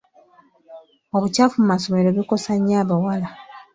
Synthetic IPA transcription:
oβucafumumaso̞me̞ɾo̞βiko̞saɲːaːβawala

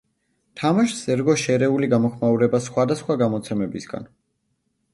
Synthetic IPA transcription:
t̪ʰamaʃsɛɾɡɔʃɛɾɛuliɡamɔχmauɾɛbasχwad̪asχwaɡamɔt̪sʰɛmɛbisɡa̰n

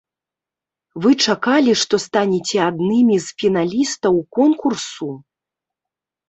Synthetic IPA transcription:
vɨt͡ʂakalʲiʂt̪ɔst̪anʲɛt͡sʲɛad̪nɨmʲizfʲinalʲist̪ɐwkɔnkursu

